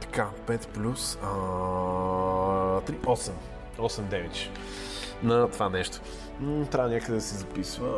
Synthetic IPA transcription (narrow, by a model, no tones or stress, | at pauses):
t̪ɐ̥kapɛt̪plʲus | t̪ɾiɔsɛm | ɔsɛmd̪ɛvɛt͡ʃ̪ | nɐt̪ovanɛʃt̪o̥ | t̪ɾavənʲakəd̪ɛd̪ɐsɛzɐpisvə